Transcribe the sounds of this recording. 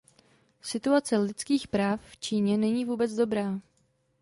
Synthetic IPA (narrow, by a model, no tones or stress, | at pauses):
sɪt̪uat͡sɛlɪt͡skiːxpɾaːfft͡ʃiːɲɛnɛɲiːvuːbɛt͡sdo̞bɾaː